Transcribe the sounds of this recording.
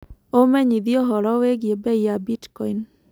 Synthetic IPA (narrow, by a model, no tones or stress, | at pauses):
omɛɲiðiɔɦɔɾɔweɡjebɛiabitkɔin